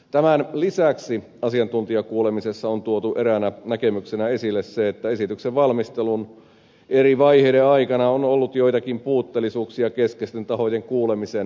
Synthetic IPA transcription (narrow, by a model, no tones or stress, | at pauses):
t̪æmænlisæksi | ɑsiɑnt̪unt̪iɑkuːlemisesːɑont̪uot̪uʔeɾænænækemyksenæesilːesseet̪ːæesit̪ykseʋʋɑlmist̪elun | eriʋɑiheːdeɑikɑnɑonolːut̪jo̞it̪ɑkimpuːt̪ːelːˑisuːksiɑkeskest̪ent̪ɑho̞jeŋkuːlemisen